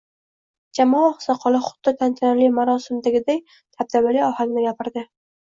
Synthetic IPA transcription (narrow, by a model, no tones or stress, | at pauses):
d͡ʒamɒɒχsaqʰɒlˠɪχʊ̥t̪ːɪt̪ʰant̪ʰanalɪmaɾɒsɪmd̪aɡʲɪd̪aj | t̪ʰab̚d̪abaliɒhalɪnɪɡʲapʰɪɾd̪ɪ